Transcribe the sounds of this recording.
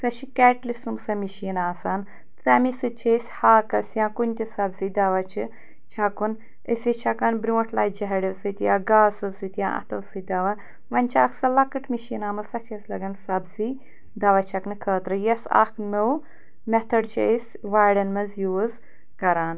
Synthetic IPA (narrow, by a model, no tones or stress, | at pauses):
sɐt͡ʃʰikɛːʈlifsɨmsɐmiʃiːnaːsaːn | t̪ɾɐmisɨt͡ʃʰesʲhaːkɐsʲjãːkunʲt̪ʲisɐbzid̪ɐʋɐt͡ʃʰɨ | t͡ʃʰɐkun | əsʲit͡ʃʰɐkɐnbɾʲũːʈʰlaːjd͡ʒɐɦɐɽilsɨt̪jaːɡaːlsɨsɨt̪jã̰ːʔɐ̰t̪ʰɐlsɨd̪ɐʋɐ | ʋɐnʲt͡ʃʰaːksɐlɐkɨʈmiʃiːnaːmɐsɐt͡ʃʰɐsʲlɐɡɐnsɐbzi | d̪ɐʋɐt͡ʃʰɐknɨkʰəːt̪ɾɨjɐsa̰kʰnow | mɛt̪ʰɐɖt͡ʃʰesʲʋaːɽɐnmɐzjuːz | kɐɾaːn